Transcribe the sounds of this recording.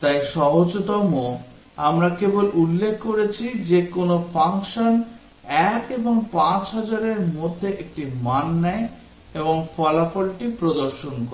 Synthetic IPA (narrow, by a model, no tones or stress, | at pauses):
t̪ajʃɔɦod͡ʑot̪ɔmo | amɾakebolʔulːekʰːkoɾet͡ɕʰid͡ʑekonofʰaŋkʃon | ɛkeboŋpãt͡ɕɦɔd͡ʑaɾeɾmod̪ʱːeʔek̚ʈimanːɛe | eboŋfɔlafolʈipɾod̪oɾʃonkoɾe